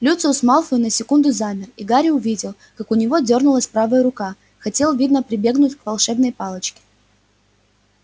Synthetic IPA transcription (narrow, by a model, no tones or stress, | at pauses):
lʲut̪sʊʊsmalˠfʊjʊnəsʲɪkund̪ʊzamʲɪriɡaɾʲɪʊvʲidʲɪlˠ | kakʊnʲɪvo̞dʲo̞rnʊlˠəsʲpɾavəjəɾʊka | xɐtʲe̞lˠvʲid̪nəpɾʲɪbʲe̞ɡnʊtʲkvɐlˠʂɛbnəjpalˠət͡ɕkʲɪ̥